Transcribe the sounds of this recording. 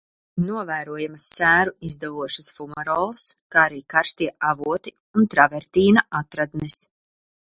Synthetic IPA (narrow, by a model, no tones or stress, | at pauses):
nuɔvæːɾuɔjamɐsːæːɾuizd̪avuɔʃɐsfumaɾɔːlˠskaːaɾiːkaɾst̪iɛʔavuɔt̪i | unt̪ɾavɛɾt̪iːnaat̪ɾad̪nɛs